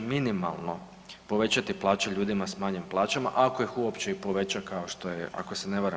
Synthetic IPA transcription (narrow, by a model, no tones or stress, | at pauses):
minima̰lˠno̞ | po̞ʋe̞t͡ɕat̪iplˠaːt͡ʃeʎuːd̪imasmaɲimplˠaːt͡ɕama̰ʔako̞ixuopt͡ɕeipo̞ʋe̞t͡ɕakaoʃt̪o̞jeʔa̰kosene̞ʋaɾa